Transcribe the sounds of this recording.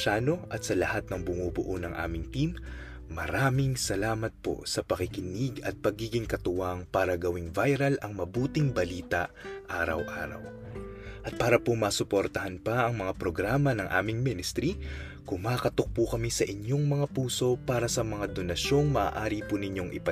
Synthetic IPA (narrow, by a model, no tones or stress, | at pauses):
ʃaːno̞ʔɐt̪sɐlɐhat̪̚nɐŋbʊŋuːbʊ̰ʔonɐŋʔa̰ːmɪŋt̪imː | ɐɾaːmɪŋsɐlaːmɐt̪̚po̞̰sɐpɐkɪkɪniɡɐt̪̚pɐɡiːɡɪŋkɐt̪ʊwaŋpaːɾɐɡɐwɪŋvajɾɐlʔɐŋmɐbuːt̪ɪŋbɐliːt̪ɐʔaːɾɐ̰wʔa̰ːɾɐ̰w | ʔɐt̪̚paːɾɐpomɐːsʊpoɾt̪ɐhɐnpɐʔɐŋmɐŋapɾoɡɾaːmɐnɐŋʔa̰ːmɪŋminɪst̪ɾi | kʊŋmaːkɐt̪ok̚pukɐmisɐʔɪɲjo̞ŋmɐŋapuːso̞paːɾɐsɐmɐŋad̪o̞nɐʃo̞ŋmɐʔa̰ːʔaːɾipunɪɲo̞ŋʔɪ̰pɐ